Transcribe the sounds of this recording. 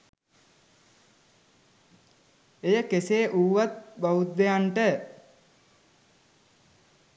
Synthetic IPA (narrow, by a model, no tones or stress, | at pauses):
ejəkeseːʔuːʋat̪̚baut̪̚d̪ejaɳʈə